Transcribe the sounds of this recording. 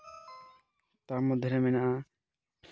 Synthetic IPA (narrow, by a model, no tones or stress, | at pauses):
t̪amɔd̪ʱjeɾɛmɛnaʔa